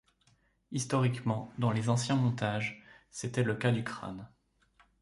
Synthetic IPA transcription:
ist̪ɔʁikmɑ̃d̪ɑ̃lezɑ̃sjɛ̃mɔ̃t̪aʒset̪ɛləkad̪ykχa̰n

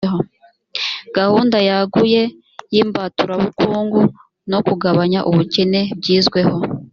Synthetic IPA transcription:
ho̞ | ɡ̥ahuːndajaɡuje̞ | jimbatuɾaβukuːŋɡu | no̞kuɡaβaɲaʔuβucene̞bɟiːzɡwe̞ho̞

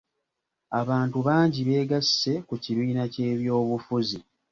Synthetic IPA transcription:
aβaːntuβaːɲɟiβe̞ːɡasːe̞kuciβiːnace̞ːβjo̞ːβufuzi

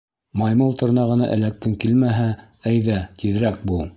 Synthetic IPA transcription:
mɑjmɤlˠt̪ŏɾnɑʁɤ̆nɑ̰ʔɘ̰̆læk̚t̪ɘŋkilmæɦæ | æjðæt̪ʰiðɾæk̚bu

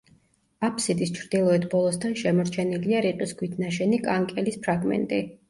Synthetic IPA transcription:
apʰsid̪ist͡ʃʰɾd̪ilˠɔɛt̪ʰbɔlˠɔst̪ʰanʃɛmɔɾt͡ʃʰɛniliaɾiqʼisɡʰwit̪ʰnaʃɛnikʼaŋkʼɛlispʰɾaɡmɛ̰nt̪ʼi

